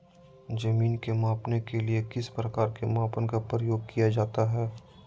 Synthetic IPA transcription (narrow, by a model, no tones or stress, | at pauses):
d͡ʒɐmiːnkemaːpnekeliekɪspɾɐkaːɾkemaːpənkapɾəjoːɡ̚kijad͡ʒaːt̪aɦɛː